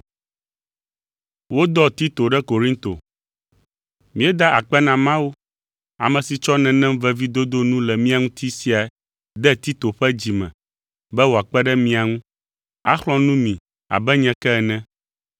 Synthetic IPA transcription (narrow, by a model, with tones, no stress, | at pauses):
wo˦d̪ɔ˦t̪i˦t̪o˨ɖɛ˦ko˨ɾi˦t̪o̰˨ | mĩ˦ɛ˦d̪a˦ʔa˨k͡pɛ˦nã˨mã˦wo˦ | a̰˨mɛ̃˨si˨t͡ʃɔ˦nɛ̃˨nɛ̃˦m˦vɛ˦vi˦d̪o˦d̪o˦nũ˦lɛ˨mĩ˦a˨ŋũ˦t̪i˦si˦a˨˦ | d̪ɛ˦t̪i˦t̪o˨ɸɛ˦d͡ʑi˨mɛ̰̃˨ | bɛ˦wo˨a˨k͡pɛ˦ɖɛ˦mĩ˦a˨ŋũ˦ | a̰˦xlɔ̃˦nũ˦mĩ˨ | a̰˨bɛ˦ɲɛ̃˨kɛ˦ɛ˨nɛ̃˦